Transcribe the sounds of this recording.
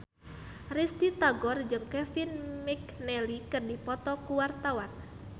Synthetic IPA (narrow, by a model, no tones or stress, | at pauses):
rist̪it̪aɡɔrd͡ʒɨŋkɛfinmik̚nɛlikɨrdipɔt̪ɔkuwart̪awan